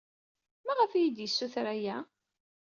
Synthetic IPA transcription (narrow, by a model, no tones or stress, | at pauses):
mæʁəfijid̪jəsːuθɾæjæ